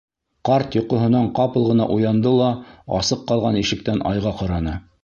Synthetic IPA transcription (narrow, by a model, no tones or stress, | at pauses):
qɑɾt̪jŏqŏɦɤ̆nɑɴqɑpɤ̆lˠʁɤ̆nɑ̰ʔujɑnd̪ɤlˠɑɑ̰sɤqːɑlˠʁɑniʃɘ̆k̚t̪ænʔɑ̰jʁɑqɑɾɑnɤ